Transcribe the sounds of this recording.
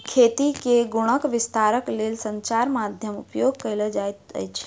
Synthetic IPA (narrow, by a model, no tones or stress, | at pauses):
kʰet̪ikeɡuɽ̃əkʋist̪aɾəklelsəɲt͡ʃaɾmad̪ʱjəmṵpjoɡ̚kəɪləd͡ʒajt̪ə̰jt͡ʃʰ